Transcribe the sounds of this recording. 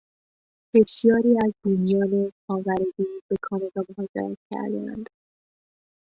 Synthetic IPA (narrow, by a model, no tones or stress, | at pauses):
b̥e̞sjɒːɾiːæzd̪uːmijɒːnexɒːvæɾed̪iːb̥e̞kʰɒːmevæmoɦɒːd͡ʒḛɾæ̰t̪̚cʰæ̰ɾd̪æ̰nd̪̥